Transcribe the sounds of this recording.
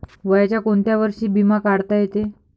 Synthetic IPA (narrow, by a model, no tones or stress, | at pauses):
ʋəjat͡ɕjakoɳt̪jaʋəɾʂiːbimakaɽt̪ajet̪e